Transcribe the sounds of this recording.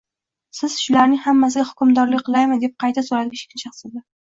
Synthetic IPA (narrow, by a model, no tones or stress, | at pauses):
sɪz̥ʃʊlaɾnɪŋhamːas̬ɪɡʲahʊkʲʊmd̪ɒɾlɪkʲqʰɨlˠajmɪd̪e̞p̚qʰɑjt̪ʰasoɾad̪ɪɡʲaʃe̥kʰʲɪnʃɑχsɪb̪a